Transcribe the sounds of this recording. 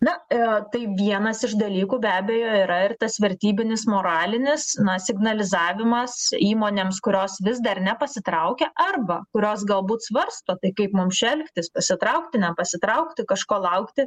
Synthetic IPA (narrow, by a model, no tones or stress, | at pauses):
nɐɪt̪ɐɪʋʲiɛnɐsɪʃd̪ɐlʲiːkuːbʲæːbʲeːjoːiːɾɐɪrt̪ɐsʋʲɛɾʲt̪ʲiːbʲɪnʲɪsmoːɾɑːlʲɪnʲɪsnɐsʲɪɡnɐlʲɪzɑːʋʲɪmɐsiːmoːnʲeːmskʊɾʲoːsʋʲɪzd̪ɐrnʲɛpɐsʲɪt̪ɾɐʊkʲɛʔɐrbɐkʊɾʲoːs̬ɡɐlˠbuːt̪sʋɐrst̪oːt̪ɐɪkɐɪpmʊmʃʲɛlʲkt̪ʲɪspɐsʲɪt̪ɾɐʊkt̪ʲɪnʲɛpɐsʲɪt̪ɾɐʊkt̪ʲɪkɐʃkoːlˠɐʊkt̪ʲɪ